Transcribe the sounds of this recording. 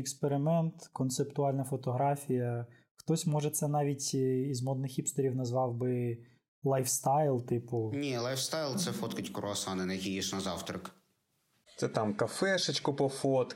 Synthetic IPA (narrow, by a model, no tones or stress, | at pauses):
ekspeɾɪmɛnt̪kɔnt̪sept̪ʊɑlʲnɐfɔt̪ɔɦɾɑfʲijɐ | xt̪ɔsʲmɔʒɛt̪sɛnɑʋʲitʲizmɔd̪nɪxipst̪ɐɾʲiwnɐzʋɑwbɪ | lˠɑjfst̪ɑjlˠt̪ɪpʊnʲilˠɑjfst̪ɑjlˠt̪sɛfɔt̪kɐtʲkʊɾɔɐsɑnɪnɐjɐkʲijiʃnɐzɑwt̪ɾɐk | t̪sɛt̪ɑmkɐfɛʃɐt͡ʃkʊpɔfɔt̪